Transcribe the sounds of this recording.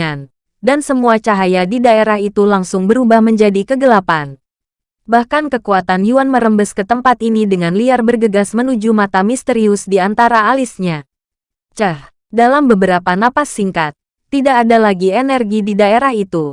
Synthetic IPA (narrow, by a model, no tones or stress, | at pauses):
an | dansəmuat͡ʃaɦajadidaeɾahit̪ulaŋsʊŋbəɾubahməɲd͡ʒadikəɡəlapan | bahkankəkuat̪anjuanməɾəmbəskət̪əmpat̪inidəŋanliarbərɡəɡasmənud͡ʒumat̪amist̪əɾiʊsdiant̪aɾaːlisɲa | t͡ʃah | dalambəbəɾapanapasːiŋkat̪ː | idakːdalaɡiɛnɛrɡididaeɾahit̪u